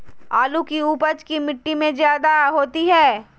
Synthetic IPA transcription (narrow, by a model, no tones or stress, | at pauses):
aːlukiuːpəd͡ʒkimɪʈːimẽzjaːd̪aɦoːt̪iɦɛː